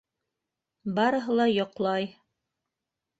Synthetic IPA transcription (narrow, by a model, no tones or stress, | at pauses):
bɑɾɤ̆ɦɤ̆lˠɑjŏqlˠɑj